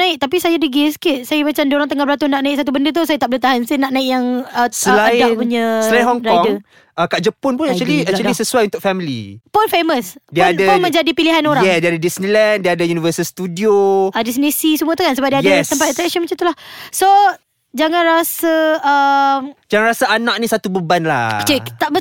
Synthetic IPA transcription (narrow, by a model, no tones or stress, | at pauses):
naɪk̚t̪ap̬isajadəɡiskɪʔ̚sajamat͡ʃamdioɾaŋt̪əŋabəlat̪ʊhnaʔnaɪk̚sat̪ubəndət̪̬usajat̪aʔbələt̪aɦansinaʔnãɪkjaŋəsəladapuɲəsəlainhɔŋɾaɔŋə | əkaʔd͡ʒəpʊnpʊnakt͡ʃuəliat͡ʃuəlisəsuajunt̪ʊk̚fɛmilḭpʊnfeməsdiəandapʊnmə̃ɲd͡ʒadipiliɦanoɾajɛsdiadadisnilɛndiəadəjunivəsəlst̪udioadis̬nisisəmũət̪ukansəbap̚diajat̪əmpat̪̚it̪əɾɛsənmat͡ʃamt̪ulahso | d͡ʒaŋanɾasəəmd͡ʒaŋanɾasaanak̚nĩsat̪ubəbanla̰hat͡ʃat̪aʔbə